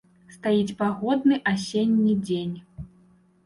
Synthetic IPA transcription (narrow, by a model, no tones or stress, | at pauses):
st̪ajit͡sʲpaɣɔd̪̚nɨʔasʲenʲːid͡zʲenʲ